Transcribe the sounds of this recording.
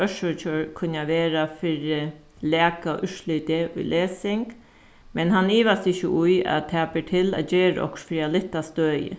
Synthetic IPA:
œʃɔɔkʰʊnːaʋeːɾafɪɾɪ | lɛːka̰ʔʏʂlʏt̪ɪʔʊ̰jlʔeːsɪŋk | mɛnɦaniːʋast̪ɪçːəʔʊja̰t̪ʰɛːpɪʈʰɪla̰d͡ʒeːɾ̰ɔ̰ksfɾiːalɪht̪ːast̪øːjɪ̰

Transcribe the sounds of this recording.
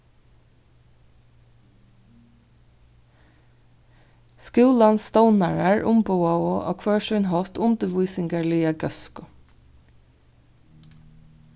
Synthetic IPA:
skʉːlɑnst̪ɑʊnæɹæːɹʔʊmbuɑoʔo̰ːkʰʋøːʃœʏnhɔft̪ʊnd̪əʋuːsɪŋɡəɭiːəɡœskʊ

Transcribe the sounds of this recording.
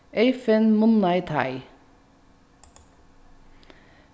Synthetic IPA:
ʔeɪfənmʊnɑɪt̪ʰɑ̰ɪ

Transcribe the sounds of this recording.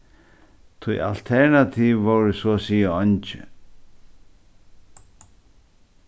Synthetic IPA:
t̪ʰʊja̰lt̪ʰɛɹnat̪ʰiːvːowɾəsɔsiːaɔnt͡ʃɪ̰

